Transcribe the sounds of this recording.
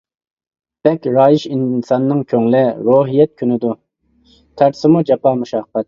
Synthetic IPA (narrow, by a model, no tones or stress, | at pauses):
b̥ɛkʲɾɑːjiʃinsɑnːɨŋkʲʰøŋlɪɾoːɦijɛt̪̚kʲʰynɪd̪u | t̪ʰæɾsɪmud͡ʒɛpɑmuʃɑːqːɛt̪̚